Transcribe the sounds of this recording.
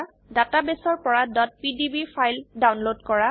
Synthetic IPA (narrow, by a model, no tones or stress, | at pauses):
databesɔɹpɔɹadɔt̚pidibipʰajldawnlodkɔɹa